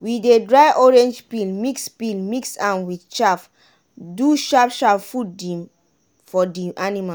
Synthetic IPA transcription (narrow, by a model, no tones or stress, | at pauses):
wiedɹajʔɔɹɛ̃nd͡ʒpilmikspilmiksãnwidt͡ʃaf | duʃapʃapfudĩm | fɔdĩʔanima